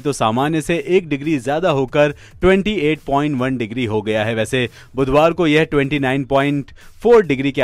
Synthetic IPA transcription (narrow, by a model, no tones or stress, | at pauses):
t̪osaːmaːnjəseʔeːk̚ɖɪɡɾizjaːd̪aɦoːkəɾ | ʈwɛ̃ɳʈieːʈ̚pɔ̃ːɪ̃ɳʈʋɐnɖɪɡɾiɦoɡɐjaɦɛʋɛːse | bʊd̪ʱwaːɾkojɐɦʈwɛ̃ɳʈinãːɪnpɔːɪ̃ɳʈ | fʰoːɾɖɪɡɾike